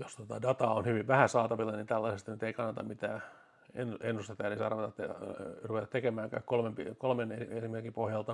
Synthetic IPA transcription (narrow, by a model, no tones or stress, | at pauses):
jost̪ot̪ɑdɑt̪ɑonhyʋiʋʋæhæsɑːt̪ɑʋilːɑnint̪ælːɑsest̪nyt̪eikɑnːɑt̪ɑ̰mit̪æː | enenːust̪ɑt̪æːnisɑrʋet̪ɑt̪ːerupet̪ɑt̪ekemæːŋkæ̰ːkkolmempikolmeneiesimerkːipohjɑlt̪ɑ